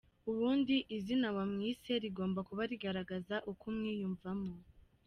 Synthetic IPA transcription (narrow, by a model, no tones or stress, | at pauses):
uβuːndiʔizinawamŋiːse̞ɾiɡo̞ːmbakuβaɾiɡaɾaɡazaʔukumŋiːjuɱvamŋo